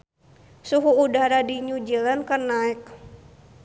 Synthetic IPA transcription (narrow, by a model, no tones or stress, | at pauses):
suɦuːdaɾadiɲud͡ʒilankarnaɛk̚